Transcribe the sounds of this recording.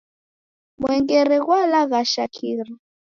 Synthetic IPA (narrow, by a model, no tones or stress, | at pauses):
mwɛŋɡɛɾɛɣwalaɣaʃakʰiɾi